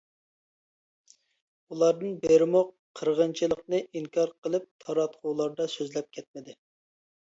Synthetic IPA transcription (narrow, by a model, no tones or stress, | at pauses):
ulˠɑɾd̪ɨnbeɾmoqʰːəɾʁənt͡ʃʰilˠəqnɨʔiŋkʰɑɾqʰəlˠɨp̚t̪ʰɑɾɑt̪qʰʊlˠɑɾd̪ɑsøzlɛp̚kʲʰɛt̪̚mɪd̪ɪ